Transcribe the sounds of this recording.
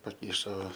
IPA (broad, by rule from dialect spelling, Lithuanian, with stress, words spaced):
pɐˈkʲɪʃoː